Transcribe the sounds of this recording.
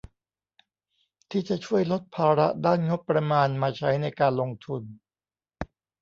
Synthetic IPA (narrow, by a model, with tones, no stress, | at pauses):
t̪ʰiː˥˩t͡ɕa˨˩t͡ɕʰu˥˩əjlo˦˥t̪̚pʰaː˧ɾa̰˦˥daː˥˩nŋo˦˥t̚pɾa˧maː˧nmaː˧t͡ɕʰa˦˥jna˧jkaː˧nlo˧ŋt̪ʰu˧n